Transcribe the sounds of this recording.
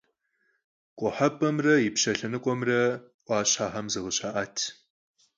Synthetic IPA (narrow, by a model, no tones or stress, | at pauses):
kʷʼɔħɐpʼɐmrɐjɪpɕɐɬɐnɨkʷʼɔmrɐʔʷɑːɕħaːħɐmzɨʁəɕaʔaːtʰ